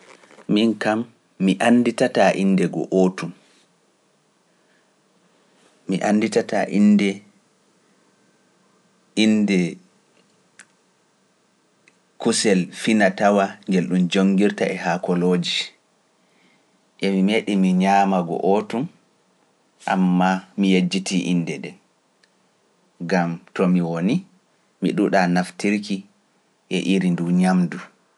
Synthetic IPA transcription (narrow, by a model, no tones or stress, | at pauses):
minkamː | iʔanditataʔindɛɡɔ̰ʔotum | iʔanːditataʔindɛ | indɛ | kusɛlfinatawaŋɡelɗumd͡ʒoŋɡiɾtaʔɛhakɔloːd͡ʒi | ʔɛmimeɗimiɲaːmaɡɔ̰ʔotum | ʔa̰mːamijed͡ʒːitʰiʔinːdɛɗɛn | ɡamtɔmiwoni | miɗuɗanaftiɾki | ʔɛʔiɾinduɲamdu